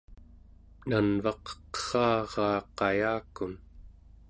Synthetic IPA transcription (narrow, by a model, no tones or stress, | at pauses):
nanvɑqqə̥χɑːʁɑːqɑjaːkun